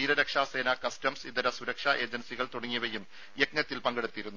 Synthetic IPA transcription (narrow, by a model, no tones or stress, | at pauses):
iːɾɐɾɐkʂaːse̞ːnɐkɐstɐmsiðɐɾɐsuɾɐkʂaʔe̞ːd͡ʑɐnsiɣɐɭt̪uɽɐŋːiʋɐjːum | jekɲɐt̪ːilpɐŋɡeɽut̪ːiiɾunːu